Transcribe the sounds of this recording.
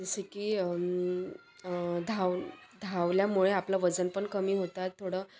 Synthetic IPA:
d͡zəɕekiː | d̪ʱawd̪ʱaʋljamuɭeaplaʋəd͡zənpəɳkəmiːɦot̪at̪ʰːoɽə

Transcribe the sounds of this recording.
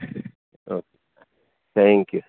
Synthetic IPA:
ok | t̪ʰɛ̃ŋkju

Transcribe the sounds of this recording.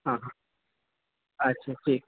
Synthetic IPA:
ɦãːɦã | ətːɕʰaːʈʰiːk̚

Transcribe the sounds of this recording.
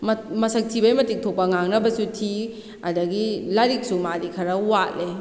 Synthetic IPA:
mmɐsɐk̚tʰibɐjmɐtik̚tʰok̚pːɐŋaŋnɐbɐsutʰi | ɐdɐɡilaɾik̚sumadikʰɐɾɐwat̚le

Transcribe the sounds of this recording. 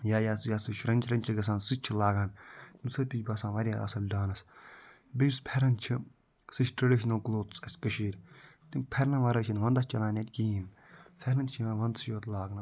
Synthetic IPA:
jaːjaːsjasɨʃɾɐnʲt͡ʃʰɾɐnʲt͡ʃʰiɡɐs̬ãːnsɨt͡ʃʰilaːɡaːnt̪insɨt̪it͡ʃbɐsãːnʋɐɾʲja̰ːʔɐ̰sɐlɖaːnɐs | biɾspʰɛɾɐnt͡ʃʰi | sɨʃʈɾɐɖiʃnɐlkloːt͡sʼɐsʲkəʃiːɾʲt̪impʰɛɾnɐʋɐɾəːt͡ʃʰɐnʋɐnd̪ɐt͡ʃɐlãːnʲet̪ʲkiːn | fʰɛɾɐnt͡ʃʰiʋãːʋɐnsjoːt̪laːɡnɐ

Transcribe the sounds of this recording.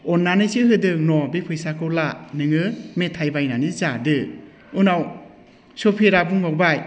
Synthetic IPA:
ɔnːanɯsiɦɯdɯknɔbipʰɯjsakʰɯwlanɯŋɯmetʰajbajnanizadɯ | ɯnaw | sɔpʰiɾabuŋmɔkbaj

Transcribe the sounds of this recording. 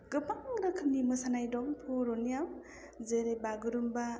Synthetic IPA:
ɡɯpaŋɾɯkʰɯmnimɯsanajdɔmpʰoɾɔnijaw | zeɾebaɡɯɾumba

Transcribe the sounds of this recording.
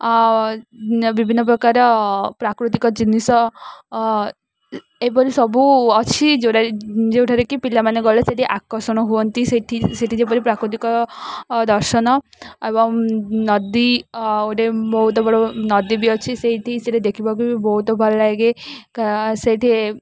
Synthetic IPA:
bibʱinːɔp̬ɾɔkaɾɔpɾakɾut̪ikɔd͡ʒinisɔ | epɔɾisɔbuɔt͡ʃʰid͡ʒeʈad͡ʒewʈʰaɾekipilamaneɡɔleseʈʰiʔakɔsɔɽ̃ɔɦuɔnt̪iseʈʰiseʈid͡ʒep̬ɔɾipɾakɾut̪̬ikɔ | d̪ɔɾʃɔnɔebɔŋnɔd̪ioɾebɔɦut̪ɔbʱɔɭɔnɔd̪ibiɔt͡ʃʰiseɦiʈʰiseʈed̪ekʰibakubibɔɦut̪ɔbʱɔɭɔlaɡekaseʈʰie

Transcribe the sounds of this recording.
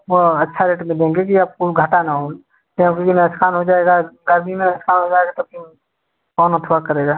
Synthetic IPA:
ʋoɐtːʃʰaɾeːʈmẽd̪ẽːŋɡekiaːp̚kuɡʱəʈanaɦoː | k̪ãkikinɐskʰaːnɦod͡ʒaːeɡaɡəɾmimẽnɛskʰaːnɦod͡ʒaːeɡat̪opɪ | kɔːnot̪ʰoakəɾeːɡaː

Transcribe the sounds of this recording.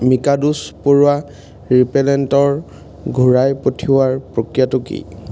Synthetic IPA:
mikaduspoɹʊa | ɹipɛlɛntɔɹ | ɡʱuɹajpotʰiwaɹpɹokɹijatukḭ

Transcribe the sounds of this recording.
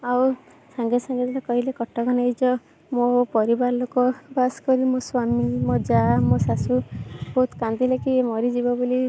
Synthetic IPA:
aw | saŋɡesaŋɡed̪alakɔɦilekɔʈːɔkɔnejd͡ʒɔ | mopɔɾibaɾɔlokɔbaskɔɾimoswamimɔd͡ʒamosasubɔɦut̪kand̪ilekiemɔɾid͡ʒibɔboli

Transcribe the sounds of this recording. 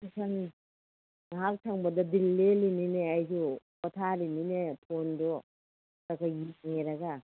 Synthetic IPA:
sʰaŋ | aɦak̚tʰaŋbɐdɐdilːelinineajsu | pɔtʰaɾininetʰondɔ | takʰajit̚ŋeɾaɡa

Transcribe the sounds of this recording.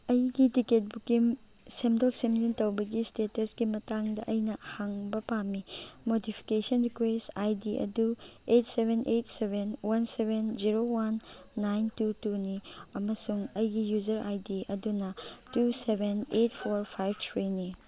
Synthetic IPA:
ɐjɡitiket̚bukim | semdol̚semlintɐwbɐɡistetɐsɡ̥imɐtaŋdɐʔɐjnɐhaŋbɐpamimodipʰi̥kesɐnɾikwesajdiʔɐ̰du | etsebʱenʔetsebʱenwansebʱend͡ʒiɾowanː | ajntutuni | ɐmɐsuŋɐjɡijuzɐɾʔajdiɐdunɐtusebʱenet̚pʰoɾpʰajbtʰɾini

